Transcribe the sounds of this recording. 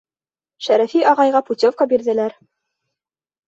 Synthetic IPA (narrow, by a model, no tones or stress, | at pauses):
ʃæɾæfiʔɑʁɑjʁɑput̪ʲofkɑbiɾðɘ̆læɾ